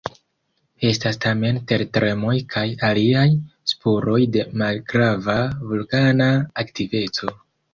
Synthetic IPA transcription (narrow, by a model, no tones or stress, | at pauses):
e̞stastame̞nte̞ɾtɾʔe̞mo̞jkʰajaliajspuɾo̞jde̞malɡɾavavulkanaːktive̞t͡so̞